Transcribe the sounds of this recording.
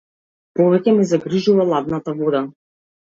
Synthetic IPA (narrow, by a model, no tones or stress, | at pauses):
pɔvɛkʲɛmizaɡɾiʒuvalˠad̪nat̪avɔd̪a